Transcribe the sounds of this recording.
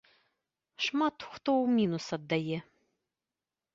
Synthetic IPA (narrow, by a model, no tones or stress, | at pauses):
ʂmat̪ʰxʷt̪owmʲinusɐd̪ːɐjɛ